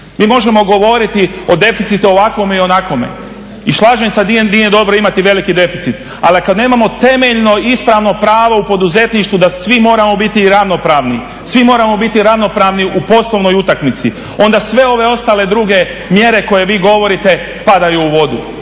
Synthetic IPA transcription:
miːmo̞ʒe̞mo̞ɡo̞ʋo̞ɾit̪io̞d̪e̞fit̪sit̪uo̞ʋakʋo̞meio̞nako̞mḛ | iʃlˠaːʒeɲsad̪nije̞d̪o̞bɾoimat̪iʋe̞likid̪e̞fit̪sit̪ | a̰likad̪neːmamo̞t̪e̞me̞ʎno̞ispɾaʋno̞pɾaːʋoupo̞d̪uze̞t̪niʃt̪ʋud̪asʋimo̞ːɾamo̞bit̪iːɾaʋno̞pɾaːʋni | sʋimo̞ːɾamo̞bit̪iɾaʋno̞pɾaʋniʔupo̞slˠo̞ʋno̞jut̪akmit̪si | o̞nd̪asʋe̞o̞ʋe̞o̞st̪aːle̞d̪ɾuɡe̞ | mje̞ɾe̞ko̞je̞ʋiːɡo̞ʋo̞ɾit̪e̞ | pad̪ajuːʋo̞d̪u

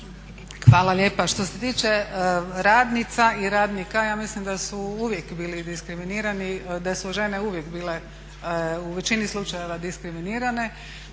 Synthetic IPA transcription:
xʋaːlale̞ːpaʃt̪o̞set̪iːt͡ʃeɾaːd̪nit̪saiɾaːd̪nikajaːmislimd̪asuuʋjekbiːlid̪iskɾiminiːɾanid̪asuʒe̞neuʋje̞kbiːle̞ | uʋe̞t͡ʃinislˠut͡ʃaje̞ʋad̪iskɾiminiːɾane̞

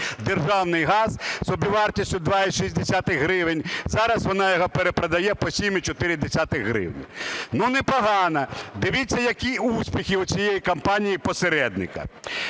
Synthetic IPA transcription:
d̪erʒɑwnɪjɦɑz̥sɔbʲiʋɑrtʲisʲtʲʊd̪ʋɑiʃizʲd̪esʲat̪ɪɣɦɾɪʋɪnʲzɑɾɐsʋɔnɑjɔɦɔpeɾepɾɐd̪ɐjɛpɔsʲimit͡ʃɔt̪ɪɾʲɪd̪esʲat̪ɪɣɦɾɪ̰wnʲnunɛpɔɦɑnɐd̪ɪʋʲit͡sʲːɐjɐkʲiusʲpʲixʲɪʊt͡sʲijejikɐmpɑnʲijipɔseɾɛd̪nɪkɐ̰

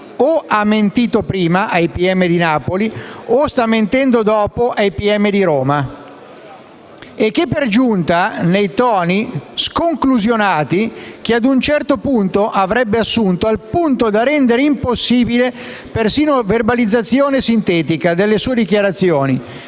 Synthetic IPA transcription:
oamːent̪iːt̪opɾiːmaʔajpiɛmːed̪inaːpoliost̪amːent̪ɛnd̪od̪ɔːpoʔajpiɛmːed̪iɾoːma | ek̟ːepːerd͡ʒunt̪anejt̪ɔːniskoŋkluzjonaːt̪ik̟ead̪unt͡ʃɛrt̪opunt̪oʔavɾɛbːeasːunt̪oalpunt̪od̪arɛnd̪eɾeimposːiːbile | persiːnoverbalid̪zːat̪sːjoːnesint̪ɛːt̪ikad̪elːesuːed̪ik̟jaɾat̪sːjoːni

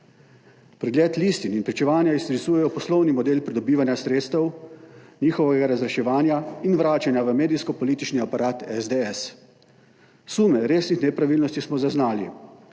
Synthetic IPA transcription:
pɾɛɡlʲeːt̪liːst̪ininpɾit͡ʃɛʋaːnjaist̪ɾisuːjɛjɔpɔslɔwnimɔd̪eːlpɾid̪ɔbiːʋanjasɾeːt̪st̪ɛw | niːxɔʋɛɡaɾazɾɛʃɛʋaːnjainʋɾaːt͡ʃanjaʋəmeːd̪iskɔpɔliːt̪it͡ʃniapaɾaːt̪ɛzd̪eɛs | suːmɛɾeːsnixnɛpɾaʋilnɔst̪ismɔzaznaːli

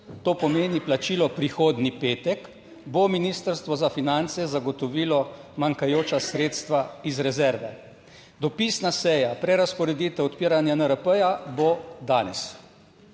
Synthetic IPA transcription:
t̪oːpɔmeːniplat͡ʃiːlɔpɾixoːd̪nipeːt̪ɛk | bominiːst̪əɾst̪ʋɔzafinant̪sɛzaɡɔt̪ɔʋiːlɔmaŋkajoːt͡ʃasɾeːt̪st̪ʋaizɾɛzɛɾʋɛ | d̪ɔpisnasɛjapɾɛɾaspɔɾɛd̪iːt̪ɛɔt̪piːɾanjanəɾəpəjabod̪aːnɛ̰s

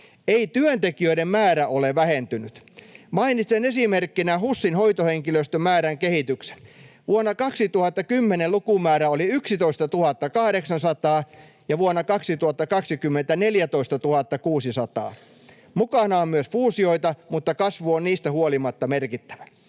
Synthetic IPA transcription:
eit̪yønt̪ekiøidemmæːɾæʔoleʋæhent̪ynyt̪ | mɑinit̪senesimerkːinæhusːinhojt̪oheŋkiløst̪ømːæːɾæŋkehit̪ykse̥nʋuonːɑkɑksit̪uhɑt̪ːɑkymːenelukumæːɾæoliyksit̪oist̪ɑt̪uhɑt̪ːɑkɑhdeksɑnsɑt̪ɑː | jɑʋuonːɑkɑksit̪uhɑt̪ːɑkɑksikymːent̪æneljæt̪oist̪ɑt̪uhɑt̪ːɑkuːsisɑt̪ɑ̰ː | mukɑnɑommyøsfuːsio̞it̪ɑmut̪ːɑkɑsʋuonniːst̪æhuolimɑt̪ːɑmerkit̪ːæ̥ʋæ̥

